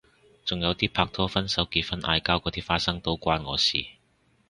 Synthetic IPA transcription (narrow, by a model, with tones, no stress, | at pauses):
t͡sʊ˨˩ŋjɐ˨˧wt̪iː˥pʰaː˧k̚t̪ʰɔː˥fɐ˥nsɐ˨˥wkiː˧t̚fɐ˥nʔa̰ː˧jkaː˥wkɔː˨˧t̪iː˥faː˧t̚sɐ˥ŋt̪o˥wkʷaː˥nŋɔː˨˧sḭː˨